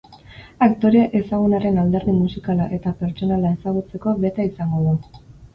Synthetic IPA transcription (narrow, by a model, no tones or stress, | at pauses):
akt̪o̞ɾeaʔe̞saɣ̞unaɾe̞nald̪e̞ɾðimusikalaʔe̞t̪ape̞ɾt͡ʃo̞nalae̞saɣ̞ut͡se̞ko̞βe̞t̪aisaŋɡo̞ðu